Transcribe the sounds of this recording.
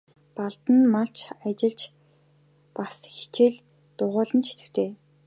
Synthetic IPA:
paɮt̪ə̆nmaɬt͡ɕʰat͡ɕɪ̆ɮt͡ɕ | pasxe̥t͡ɕeɮ | t̪ʊʁʊːɮə̆nt͡ɕʰi̥t̪ɘ̆xt̪ʰeː

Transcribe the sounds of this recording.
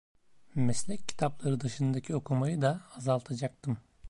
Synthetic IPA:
mɛslʲɛc̚ʰːi̥t̪ʰaplˠaɾɯd̪aʃɯnd̪acʰio̞kʰumajɯd̪aːzalˠt̪ʰad͡ʒak̚t̪ʰɯm

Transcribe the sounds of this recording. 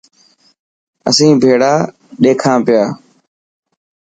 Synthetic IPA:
əsĩːbʱeːɽaː | ɗeːkʰãːpɪjaː

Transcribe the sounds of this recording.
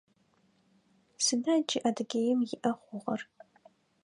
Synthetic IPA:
sɨnad͡ʒiʔadɡʲejɪmjɪʔɐχʷʊʁɐr

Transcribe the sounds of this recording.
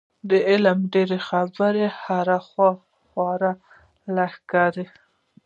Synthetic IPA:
d̪əɪlmɖeɾexabəɾehaɾaxwɑ | xwɑɾa | lahkɑɾe

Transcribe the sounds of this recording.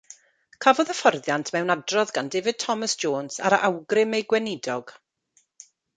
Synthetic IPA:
kʰavɔðəfɔrðjantʰmɛwnadrɔðɡandɪvɪd̥̚tʰɔməsd͡ʒoːnsa̰ɾəʔawɡrɪmejɡwɛnɪdɔɡ̥

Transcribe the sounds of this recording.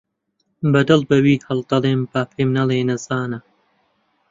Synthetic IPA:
bɐd̪ɨlbɐwiːhɐld̪ɐleːmbaːfʰeːmnɐleːnɐzaːnɐ

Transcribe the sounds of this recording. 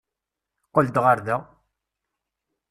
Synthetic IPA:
qəld̪ʁaɾðæ

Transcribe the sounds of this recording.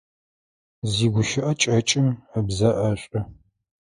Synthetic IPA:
ziːɡʷʊʃɪʔɐt͡ʃʼɐt͡ʃʼɪməbzɐʔɐɕʼɐ

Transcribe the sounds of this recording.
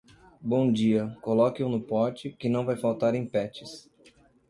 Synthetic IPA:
bõw̃d͡ʒiɐkolɔkɪʊnʊpɔɾt͡ʃɪkɪnɐ̃w̃vajfawt̪aɾẽj̃pɛt͡ʃɪs

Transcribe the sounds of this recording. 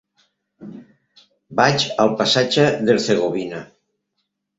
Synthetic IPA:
bat͡ʃalˠpasad͡ʒaðelθeɣoβina

